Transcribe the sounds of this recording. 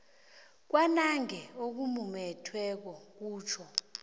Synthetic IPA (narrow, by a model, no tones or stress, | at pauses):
k̬wanaŋɛok̬umumɛtʰwɛk̬ɔk̬uːt͡ʃʰɔ